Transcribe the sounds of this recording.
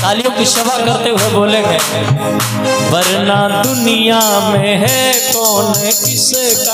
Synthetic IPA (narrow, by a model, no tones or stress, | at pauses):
t̪aːlijõkiʃɐʋakɐɾt̪eɦʊeboːlẽːɡeː | ʋɐɾnad̪ʊnɪjamẽɦɛkɔːnekɪseː